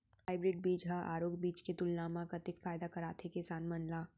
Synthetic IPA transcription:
aːɪbɾɪɖ̚biːd͡ʒɦaʔa̰ːɾoːɡbiːt͡ʃket̪ʊlnaːmãkat̪ɪkfaːɪd̪akɐɾaːt̪ʰekesaːnmɐnlaː

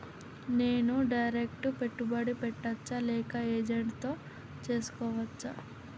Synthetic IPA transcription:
ne̞ːnuɖɐjɾekʈupe̞ʈːubɐɽipɛʈːɐt͡ʃːɐlɛːkɐeːd͡ʒeɳʈt̪o̞ː | t͡ʃe̞ːsu̥kɔːʋɐt͡ʃːɐ

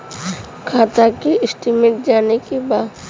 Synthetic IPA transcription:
kʰaːt̪akiɪsʈimẽʈ̚d͡ʒaːnekibaː

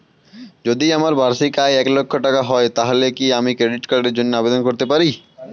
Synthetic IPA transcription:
d͡ʒod̪iɐməɾbʱaːɾsikaːeeːklokʰːoʈɐkaɦɔet̪aːɦlekiaːmikɾeːɖɪʈkəɾɾed͡ʒʊnjaːbed̪ənkɔɾt̪epəɾiː

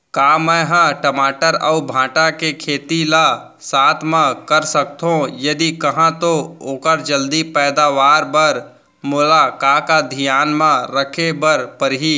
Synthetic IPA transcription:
kaːmɛ̃ːɦãʈəmaːʈəɾəubʱãːʈãkekʰeːt̪ila | saːt̪ʰmãkəɾsək̚t̪ɦõjɐd̪ikɐɦãt̪ooːkəɾd͡ʒəld̪ipɛːd̪aːʋaːɾbəɾ | moːlakaːkad̪ʱijaːnmãɾəkʰebəɾpəɾɦiː

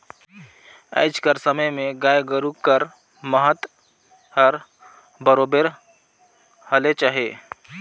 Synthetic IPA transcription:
ə̰ɪd͡ʒkəɾsəməjmẽɡaːjɡəɾukːəɾ | məɦət̪ | əɾ | bəɾobeɾ | həlet͡ʃaːɦeː

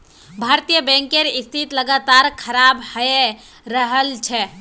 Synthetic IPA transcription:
bʱaɾt̪ijəbɛ̃ŋkeɾist̪ʰit̪ləɡat̪aɾkʰəɾabhəe | ɾəɦəlt͡ʃʰɛ

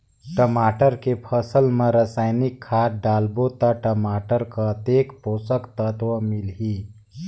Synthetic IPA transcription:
ʈəmaːʈəɾkepʰəsəlmẽɾəsaːɪnɪkʰːaːɖaːlbot̪aʈəmaːʈəɾkət̪eːkpoːsəkt̪ət̪wəmilɦi

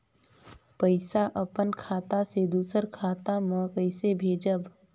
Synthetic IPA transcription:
pəɪsaʔəpənkʰaːt̪ased̪uːsəɾkʰaːt̪amə̃kəɪsebʱeːd͡ʒəb

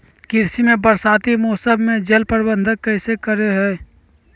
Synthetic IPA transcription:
kɪɾsimẽbəɾsaːt̪imoːsəbmẽd͡ʒelpəɾbə̃nd̪ʱəkːəɪsekəɾeɦɛː

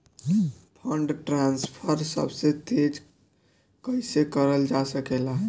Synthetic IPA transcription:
pʰəɳɖʈɾanspʰəɾsə̰bset̪ed͡ʒ | kəjsekəɾəld͡ʒasəkelaɦ

